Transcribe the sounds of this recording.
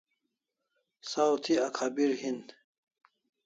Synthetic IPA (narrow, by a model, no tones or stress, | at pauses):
sawt̪ʰiakʰaːbiɾhind̪